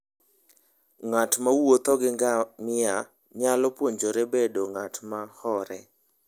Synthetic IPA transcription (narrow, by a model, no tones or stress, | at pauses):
ŋatmawot̪ɔɡɪɡamɪa | ɲalɔpwoɲd͡ʒoɾebedoŋatmahɔɾɛ